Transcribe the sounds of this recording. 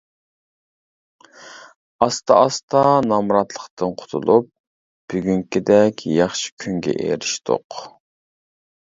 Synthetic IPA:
ɑst̪ɑʔɑst̪ʰɑnɑmɾɑt̪lˠəqt̪ʰɨnqʰʊ̥t̪ʰṵlˠup̚ | b̥yɡʲyŋkʲɪd̪ɛkʲjɑχʃi̥kʲʰyŋɡʲɛ̰ʔḛɾɪʃt̪ʰo̰q

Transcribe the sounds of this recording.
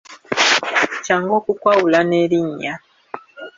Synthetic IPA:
caŋɡokukwawulaneliɲa

